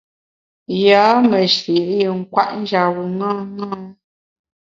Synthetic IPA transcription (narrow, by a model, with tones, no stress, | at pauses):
jaː˨˦mə˨ʃi˨ʔli˦˨ŋ̩˦kwa̰˦ʔn˦d͡ʒa˨ɣu˨ŋa˦ŋa˦